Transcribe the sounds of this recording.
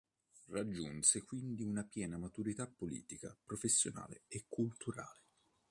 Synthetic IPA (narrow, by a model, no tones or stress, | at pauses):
rad͡ʒːunsekwind̪iunapjɛːnamat̪uɾit̪apːolḭːt̪ika̰pɾofesːjona̰ːlḛekʰːult̪uɾaːle